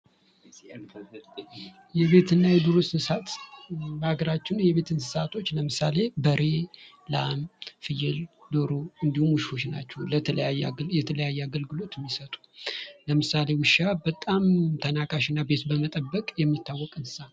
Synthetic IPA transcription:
jɛβe̞t̪ʰɨnːajɛd̪oɾossɨsat̪bhaɡəɾat͡ʃːɪnujɛβe̞t̪ʰɨnsɨ̥sat̪ʰo̞t͡ʃːləmɨsale̞bəɾe̞ | lamfɨjɪld̪oɾoɨnd̪ihumuʃfo̞t͡ʃnat͡ʃːɛwləələjajjɛt̪ʰələjajːɛaɡəlɡɨlo̞t̪mːisət̪ʼu̥ləmɨsale̞wɨʃabət̪ʼamt̪ʰənakʼaʃɪnːabe̞t̪bəmət̪ʼəbːəkʼjɛmːit̪ʰːawːɔkʼɨnsɨ̥san

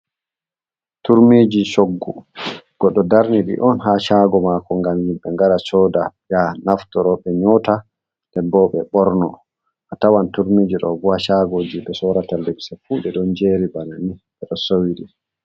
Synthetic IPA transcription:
tuɾmiːd͡ʒisoɡːuɡ̥ɔɗːɔdaɾniɗḭʔɔnɦaʃaɡɔmakɔŋɡamjimɓɛŋɡaɾat͡ʃɔːdajanaftɔɾɔɓɛɲɔta | dɛnbɔɓɛɓɔɾnɔ | ʔatawantuɾmiːd͡ʒiɗɔɡuaʃaɡod͡ʒiɓɛsɔɾatalɛbsafuɗɛɗɔnd͡ʒeɾibananiɓɛɗɔsowiɗi

